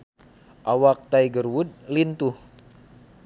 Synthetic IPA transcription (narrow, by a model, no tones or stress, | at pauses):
ʔawak̚t̪ajɡərwud̪̚lint̪uh